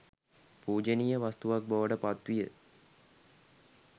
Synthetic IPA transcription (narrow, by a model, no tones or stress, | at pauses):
puːd͡ʒenijəʋast̪uʋak̚boʋəɖəpat̪ʋijə